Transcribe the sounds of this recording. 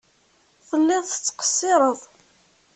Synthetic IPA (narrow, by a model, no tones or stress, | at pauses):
θəlːɪðˤθə̥t͡sːə̥qə̥sːɪɾˤəðˤ